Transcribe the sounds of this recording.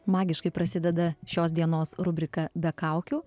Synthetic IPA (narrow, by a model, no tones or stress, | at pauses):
mɑːɡʲɪʃkɐɪpɾɐsʲɪd̪ʲɛd̪ɐʃʲoːs̬d̪ʲiɛnoːsɾʊbʲɾʲɪkɐbʲɛkɑˑʊkʲuː